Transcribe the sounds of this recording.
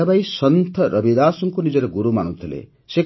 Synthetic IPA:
abajsɔnt̪ʰɔɾʌbid̪aːsɔŋkunid͡ʒɔɾeɡuɾuma̰ñut̪ʰilḛ | se

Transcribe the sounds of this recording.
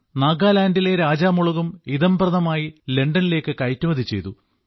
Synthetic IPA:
naːɡaːlaːndile̞ɾaːd͡ʑaːmuɭuɣumiðɐmbrɐnɐmaːjile̞ɳɖɐnile̞ːkːɨkɐjtːumɐðʱit͡ɕe̞̰jt̪u

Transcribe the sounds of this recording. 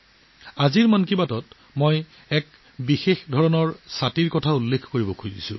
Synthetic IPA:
aziɹmankibatɔt | moj | ɛk | bixexdʱɔɹɔnɔɹsatiɹkɔtʰaulːekʰkoɹibɔkʰujdisʊ̰̃

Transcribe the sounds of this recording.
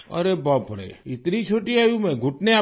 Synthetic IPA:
ə̰ɾebapʰəɽḛɪt̪nit͡ʃʰoʈiajũmẽɡʱʊʈnea

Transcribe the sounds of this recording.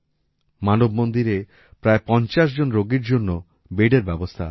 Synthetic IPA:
manobmond̪iɾe | pɾaepɔnt͡ɕaʃ̬d͡ʑonɾoɡiɾd͡ʑonːo | beɖeɾbɛbost̪ʰa̰

